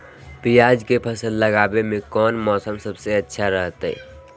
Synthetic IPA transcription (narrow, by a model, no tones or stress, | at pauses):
pijaːd͡ʒkepʰəsəlːəɡaːbemẽkɔːnmɔːsəmsəbseɐtːʃʰaɾəɦt̪ɦɛ̰ː